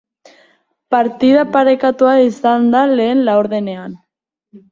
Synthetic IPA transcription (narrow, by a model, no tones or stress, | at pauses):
paɾt̪ið̞apaɾe̞kat̪uaisand̪ale̞ːnlaoɾðe̞ne̞an